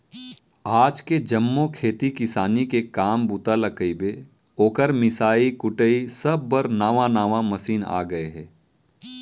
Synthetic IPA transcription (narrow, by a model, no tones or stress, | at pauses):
aːd͡ʒked͡ʒɐmːokʰeːt̪ikɪsaːnikekaːmbut̪aləkəibe | oːkəɾmɪsaːikʊʈəisɐbːɐɾnaːʋãnaːʋãmɐsiːna̰ːɡɐeɦɛː